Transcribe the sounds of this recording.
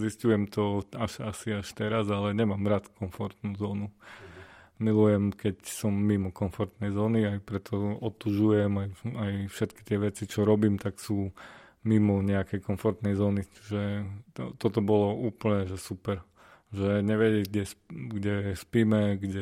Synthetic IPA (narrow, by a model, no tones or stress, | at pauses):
ziscujɛmt̪ɔaʃasiaʃt̪ɛɾazalɛɲɛmaːmɾat̪kɔnfɔɾt̪nuzɔːnu | milujɛmkɛcsɔmːimɔkɔnfɔɾt̪nɛjzɔːniajpɾɛt̪ʰɔɔt̪uʒujɛmajajfʃɛt̪ki̥t̪ɪɛʋɛt͡sit͡ʃɔɾɔbiːmt̪aksuː | mimɔɲɛakɛjkɔnfɔɾt̪nɛjzɔːnit͡ʃiʒɛ | t̪ɔt̪ɔbɔlɔuːpl̩ɲɛʒɛsupɛɾ | ʒɛɲɛʋɛɟɛɡɟɛsɡɟɛspiːmɛɡɟɛ